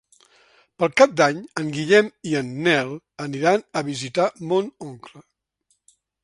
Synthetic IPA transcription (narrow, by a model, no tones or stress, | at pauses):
pəlˠkap̚d̪aɲəŋɡiʎɛmiənːɛlˠ | əniɾanəβizit̪amonoŋklə